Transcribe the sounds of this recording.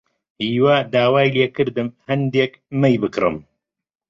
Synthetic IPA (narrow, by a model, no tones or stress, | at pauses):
hiːwad̪aːwaːjleːkɨɾd̪ɨmhɐnd̪eːk | mɐjbɨkrɨ̰m